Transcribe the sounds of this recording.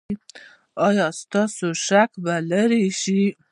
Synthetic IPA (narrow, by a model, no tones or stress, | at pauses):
ɑjɑst̪ɑsoʃakbalaɾiʃi